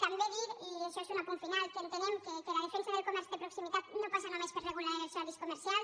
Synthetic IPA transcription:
kamdeðiɾieʃoesunapuɱfinalkenot̪enemkekelaðefensaðelkomɛɾsjoðepɾoksimit̪at̪nopasanomespeɾreɣulaeeɾsaɾiskomeɾsjal

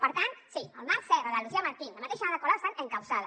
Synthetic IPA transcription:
pəɾt̪ant̪siəlˠnaɾsɛrəðəluziaməɾt̪inləmat̪eʃanaðəkoɾasanəŋkawsaðə

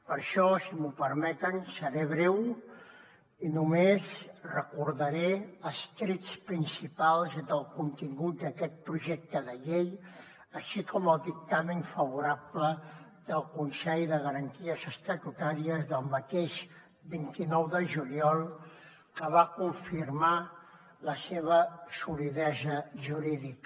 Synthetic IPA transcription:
pəɾʃɔsimupəɾmɛt̪ənsəɾeβɾɛw | inumezrəkuɾðəɾeəst̪ɾitt͡sspɾinsipalˠzd̪əlˠkunt̪iŋɡut̪̚d̪əkɛt̪̚pɾuʒɛk̚t̪əðəʎej | əʃikʰɔməlˠd̪ik̚t̪amənfəβuɾaplə | d̪əlˠkunsɛʎðəɣəɾənt̪iəzəst̪ət̪ut̪aɾiəzðəlˠmət̪eʒ | bint̪inɔwðəʒuliɔlˠ | kəβakuɱfirma | ləseβ̞əsuliðɛzəʒuɾiðik

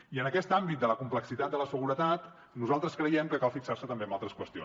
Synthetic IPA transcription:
iənəkɛst̪ambit̪̚d̪ələkumpləksit̪at̪̚d̪ələsəɣuɾət̪at̪ | nuzalˠt̪ɾəskɾəjɛmkəkalˠfiksaɾsət̪əmbeəmbalˠt̪ɾəskwəst̪io̰n

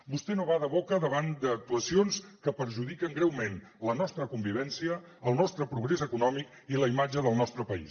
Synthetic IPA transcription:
bust̪ɛnoβaðəβokəðəβand̪əːk̚t̪uəsionskəpəɾʒuðikəŋɡɾɛwmen | lənɔst̪ɾəkumbiβ̞ɛnsiəː | lˠnɔst̪ɾəpɾuɣ̞ɾezəkunɔmik | iləimad͡ʒəðəlˠnɔst̪ɾəpəḭs

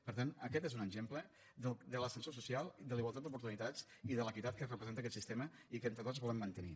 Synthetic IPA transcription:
pəɾt̪anəkɛt̪ezunəɡʒemplə | ðəld̪ələsənsos̬usialˠd̪əliɣwalˠt̪at̪d̪upuɾt̪unit̪at͡siðələkit̪at̪̚kərəpɾəzent̪əkɛt̪sist̪eməikəent̪ɾət̪ozβɔlˠəmːənt̪ənḭ

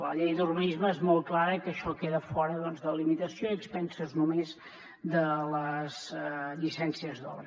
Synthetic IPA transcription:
ləʎejðurβənizməezmɔlˠt̪̚klaɾəkəʃɔkeðəfɔɾəðɔnzðəlimit̪əsioəkspɛnsəznumez | d̪ələzʎisɛnsiəzðɔ̰βɾə

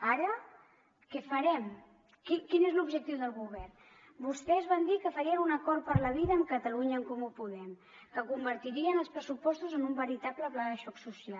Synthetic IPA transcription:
aɾə | kɛfəɾɛm | kikinezlubʒək̚t̪iwðəlˠɣuβɛrn | bust̪ɛzβand̪ikəfəɾiəunəkɔɾt̪̚pəɾləβ̞iðəːmkət̪əluɲəːŋkɔmupuðɛm | kəkumbəɾt̪iɾiənəlˠspɾəsupɔst̪uzənumbəɾit̪apləplaɣəʃɔksusial

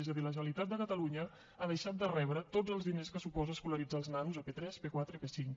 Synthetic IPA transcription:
ɛzəðiləʒənəlit̪at̪̚d̪əkət̪əluɲə | aðəʃat̪̚d̪ərɛβɾət̪odd͡zəlˠzðineskəsupɔzəːskuləɾid͡zaːlˠznanuzəpet̪ɾɛspekwat̪ɾəpesiŋk

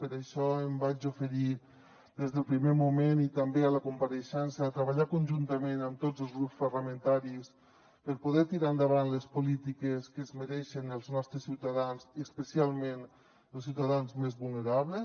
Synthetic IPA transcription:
pəɾaʃɔembad͡ʒufəɾi | d̪ezðəlˠpɾimemumenit̪əmbealəkumpəɾeʃɛnsəːt̪ɾəβaʎakunʲʒunt̪əmenəmt̪od͡zəlˠzɣɾupspəɾləmə̃nt̪aɾis | pəɾpuðɛt̪iɾaənd̪əβ̞anləspulit̪ikeskəzməɾɛʃənəlˠznɔst̪ɾəsiwt̪aðanziəspəsialˠmen | əlˠsiwt̪aðanzmezβulˠneɾaβlə

